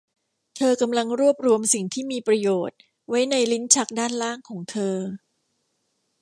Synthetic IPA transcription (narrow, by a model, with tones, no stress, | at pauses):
t̪ʰɤː˧ka˧mla˧ŋɾu˥˩əp̚ɾu˧əmsi˨˩ŋt̪ʰiː˥˩miː˧pɾa˧joː˨˩t̪̚ | wa˦˥jna˧jli˦˥nt͡ɕʰa˦˥k̚daː˥˩nlaː˥˩ŋkʰɔː˩˦ŋt̪ʰɤː˧